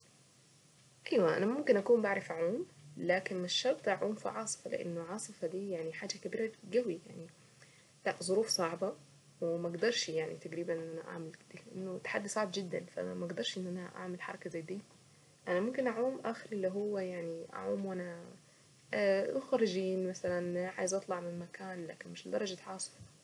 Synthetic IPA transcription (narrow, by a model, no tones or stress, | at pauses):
ʔajwaʔa̰namʊmkɪnʔakuːmbaʕɾˤɑfʔaʕuːmlaːkɪnmaʃːɑɾˤt̪ˤʔaʕuːmfḭʕɑːsˤɨ̥fɑlɪ̰ʔa̰nːʊʕɑːsˤɨfɑd̪iːjaʕniħaːd͡ʒakabiːɾɑɡawijaʕni | laʔzˤʊɾuːfsˤɑʕbɑ | wɪmaʔɡd̪ɑɾˤʃjaʕnḭt̪aɡɾiːbanʔʔʔanaʔa̰ʕmald̪ilɪʔanːʊt̪ːħad̪ːisˤɑʕbd͡ʒɪd̪ːa̰nfaʔa̰mʔɡd̪ɑɾˤʃʔɪnːʔana̰ʔa̰ʕmalħɑ̰ɾˤɑkazajd̪iː | ʔanamʊmkɪnʔaʕuːmʔaːxɪɾʔɪlːiɦʊwːajaʕniʔa̰ʕṵːmwʔana | xɑɾˤɪd͡ʒiːnmasalanʕaːjɪzʔɑt̪ˤlɑʕmɪnmakaːnla̰ːkɪnmɪʃld̪ɑɾˤɑd͡ʒat̪ʕɑːsˤɨ̥fɑ̥